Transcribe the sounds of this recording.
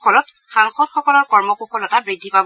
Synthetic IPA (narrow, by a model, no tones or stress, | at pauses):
ɔlɔt | xaŋxɔdxɔkɔlɔɹkɔɹmɔkuxʰɔlɔtabɹidʱːipab